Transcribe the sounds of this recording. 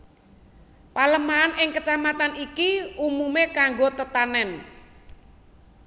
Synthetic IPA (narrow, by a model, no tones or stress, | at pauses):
paləmaːnʔɪŋkət͡ʃamat̪anikiumumekaŋɡot̪ət̪anɛn